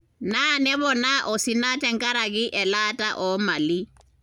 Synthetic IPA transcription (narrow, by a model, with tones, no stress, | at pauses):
na˦nɛ˦βɔ˨naʔɔ˨si˨na˦t͡ʃʼɛ˦ŋ˦kʼa˦ɾa˨kɪ˦ʔɛ˨latʼaʔɔ˨ma˨li˦